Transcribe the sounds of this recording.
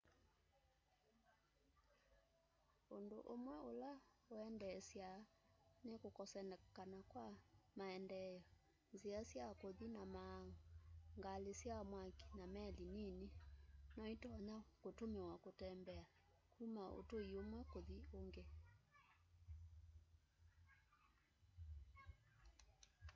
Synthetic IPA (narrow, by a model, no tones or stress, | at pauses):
ondoʔomwɛola | oɛndɛsja | nekokɔsɛnɛkanakwamaɛndɛjɔ | nziasjakoðinamaŋŋɡalesjamwaki̥namɛlininenɔitɔɲakotomewakotɛmbɛa | kumaʔo̰toiomwɛkoðioŋɡe